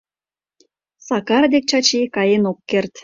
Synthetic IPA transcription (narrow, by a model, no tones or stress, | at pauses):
sɑkɑrd̪ek̚t͡ɕɑt͡ɕekɑjenokːert̪